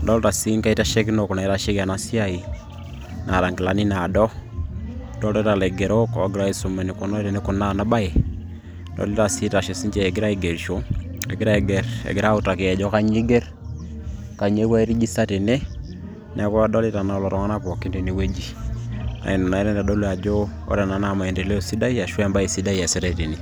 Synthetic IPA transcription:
dɔ˦lta˨si˦ŋka˦i˦ta˦ʃe˦ki˦no˨ku˨na˨i˦ta˦ʃe˦ka˨na˦si˦a˦i˨ | na˨ɾa˨ŋɡɪ˨la˨ni˦na˨dɔ˦ | dɔ˦ltɔ˦ta˨le˨ɡe˨ɾo˦kɔ˨˦ɡɪ˦ɾa˦i˨su˨me˨ni˨ko˦nɔ˦ɾe˨ne˦ku˨na˦na˦ba˦e˨ | dɔ̰˨li˦ta˨si˦ta˨ʃe˨si˦ɲt͡ʃe˦˨e˨ɡɪ˦ɾa˦i˨ɡe˨ɾʃo˦ | ḛ˨ɡɪ˦ɾa˦e˨ɡe˨ɾḛ˨ɡɪ˨ɾa˦u˦ta˨ke˨ɛ˨d͡ʒɔ˦ka˦ɲi˦ɡe˦r | ka˨ɲe˦wa˦i˦ɾi˦d͡ʒi˦sa˦te˨ne˦ | na˨˦ka˦dɔ˦li˦ta˨na˨lɔ˨ɾɔ˨˦ŋa˦na˦pɔ˨kːi˦ndi˨ni˨we˦d͡ʒi˦ | a̰˨i˨nɔ˨na˨ɛ˦ɾe˦nda˨dɔ˦lu˦a˨d͡ʒo˦ | ɔ̰˦ɾe˨na˨na˨ma˨ɛ˨de˨le˦o˦˨si˦da˦i˦a˨ʃwɛ˦mba˦i˨si˦da˦i˨a˨si˦ɾa˦˨te˨ni˨

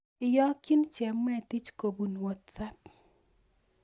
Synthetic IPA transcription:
ɪ˨jɔ˦ki˦nt͡ʃjɛ˨mwɛ˦˨ti˦t͡ʃko˨bu˨nwɔ˨t̪̚t͡sa˦p̚

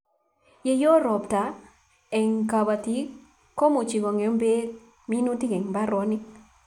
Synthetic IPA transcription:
je˦jo˦ɾɔ˨bta˨ | ɛ˨ŋka˨ba˨ti˦ | ko˦mu˨t͡ʃi˨ɡɔ˨ŋe˨o˦mbe˦ | mi˦nu˦ti˦ɡɛ˨ŋba˦ɾɔ˨˦ni˦

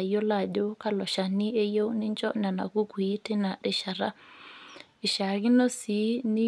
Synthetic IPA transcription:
jo˦la˦˨do˦ka˦lɔ˨ʃa˨ni˦e˦jo˦wni˦nt͡ʃɔ˦na˨na̰˨ku˦ku˨i˦tɛ˦na˨ɗɛ˨ʃa˨ɾa˦ | ɪ˨ʃa˨ɡi˦nɔ˦si˨˦ni˦

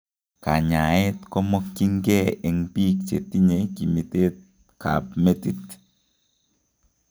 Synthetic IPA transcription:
ka̰˨ɲa˨ɛ˦tkɔ˦mɔ˦kːi˦ŋɡɛ˦ʔɛ˨ŋpi˦k̚t͡ʃe˨ti˦ɲe˨ki˨mi˨te˦t̚ | kʰa̰˨pme˦ti˦t̪

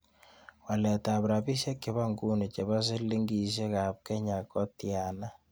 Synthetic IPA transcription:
wa˨lɛ˨ta˨βɾa˨bi˦ʃe˦kɪ˨βa˦ŋɡu˦ni˨t͡ʃe˨βa˦s̬i˦li˦ŋɡi˨ʃ̬e˦ka˨p̚kɛ˦ɲa˨kɔ˦tja˨na˦

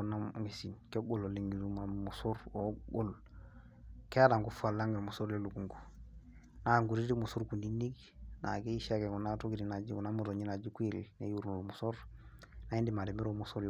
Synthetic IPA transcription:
una˦ŋe˨si˨nke˦ɡo˦lo˨li˨ŋɡi˨zu˦ma˨mu˨suɾoɡo˦l | ke˦a˦da˨ŋɡufa˨lːa˦ŋɡe˨muso˦ɾle˦lu˨ku˨ŋku̥ | na˨ŋɡu˨ɾi˦di˦mu˨su˦ɾku˨ni˦nːi˦k | na̰˨ke˦i˦ʃa˦ke˨ku˨natu˦kiɾi˨na˨d͡ʒi˦u˨na˦mu˨to˨ɲi˦na˨d͡ʒi˦ku˦i˦lnḛ˦ju˦ɾnu˨lmuso˦ɾ | na˨i˦ndi˨ma˨di˨mi˦ɾomusu˦ɾ

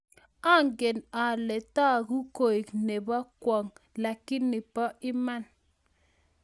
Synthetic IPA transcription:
a˦˨ŋɡe˨na˨lɛ˨ta˦˨ku˦ko˨i˨kne˨ba˦kwɔ˨ŋla˨kɪ˦nːɪ˨pɔ˦ʔɪ˦ma˦n

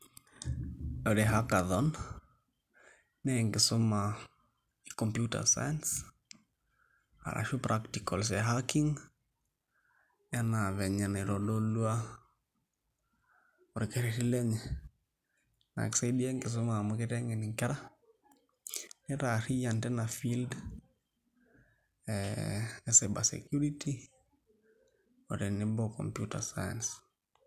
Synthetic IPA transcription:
o˨ɾe˨ɦa˦ka˨ðɔ˦n | nɛ˦ŋɡɪ˨sʊ˦ma˨ | ikɔ˨mpju˦ta̰˨sa̰˦jans | a̰˨ɾʔa̰˨ʃu˦pɾa˦ktikɔ˨ls̬ɛ˨ɦa˦ki˦ŋ | a˦na˨βɛ˨ɲa˨ne˨ɾo˨do˦lu˦a˦ | oɾi˨kɛɾɛɾi˦lɛ˦ɲɛ | na̰˨ɛ̰ksadiɛ˦ŋkɪ˨s̬o˦ma˨mukɪ˦ɾɛ˦ŋɛ˨ni˨ŋkɛ˦ɾa˦ | nɪ˦ɾa˨ɾijantɛ˦nafild | ɛɛsɛba̰sɛ̰kjuɾitʰi | o˨ɾe˨nɪbɔkɔ̰mpjuta̰saja̰ns

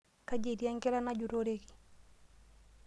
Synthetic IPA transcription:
ka˦d͡ʒe˨dja˦ŋɡɛ˦la˦na˦d͡ʒu˨ɾo˦ɾe˦ɡi̥˨

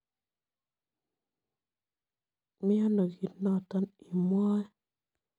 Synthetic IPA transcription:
mi˦a˦na˨ɡi˨tna˦˨ta˦ni˨mwa˦

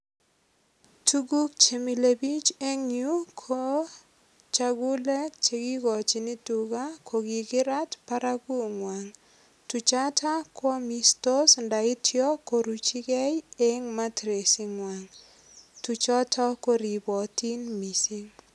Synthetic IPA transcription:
tu˦ɡu˦k̚t͡ʃe˨mi˨le˨bi˦t͡ʃe˦ŋu˦kʰo˦ | t͡ʃa˦ɡʊ˦le˦t͡ʃe˨ɡi˦ɡɔ˨t͡ʃi˨nɪ˦tuɡa˦kʰo˨ɡi˨ɡɪ˦ɾa˦tpa˦ɾa˦ɡu˦ŋwa˨ŋ | tu˨t͡ʃa˦tʰa˦kɔ˦mi˦sto˦snda˨ɪ˦tʰjɔ˦ko˨ɾu˨t͡ʃi˦kɛ˦je˦ŋma˦tɾe˨si˦ŋwa˨ŋ | tu˨t͡ʃɔ˦tʰɔ˦ko˦ɾi˨bɔ˨ti˦nmi˨si˦ŋ

